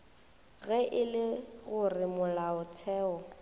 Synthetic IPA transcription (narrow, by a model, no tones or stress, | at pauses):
ɣɛʔɪlɪɣʊrɪmʊlaʊt͡sʰɛːɔ